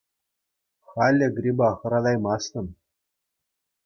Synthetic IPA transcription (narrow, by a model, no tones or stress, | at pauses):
χɑlʲːɘ̆ɡrʲibɑχɤ̆ɾɑd̪ɑjmɑsnʲɤ̆m